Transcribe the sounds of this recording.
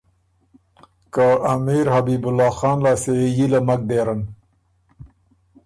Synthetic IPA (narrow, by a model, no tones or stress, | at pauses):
kaamiɾhabibʊlɑːxɑːnlaːsejilamak̚d̪eːɾən